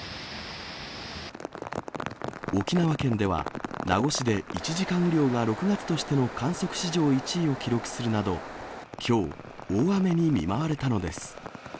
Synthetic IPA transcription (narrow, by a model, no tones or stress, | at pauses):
o̞kʲinaβakẽ̞nd̪e̞βa̰na̰ɡo̞ɕid̪e̞it͡ɕiʑikãɰ̃ɾʲjo̞ːɡaɾo̞kɯ̟ɡat͡sɨ̥t̪o̞ɕi̥t̪e̞no̞kʰãɰ̃so̞kɯ̟̥ɕiʑo̞ːit͡ɕiːo̞kʲiɾo̞kɯ̟̥sɨɾɯ̟nad̪o̞kʲʰo̞ː | oːame̞ɲ̟imʲḭmaβaɾe̞t̪ano̞d̪e̞sɨ̥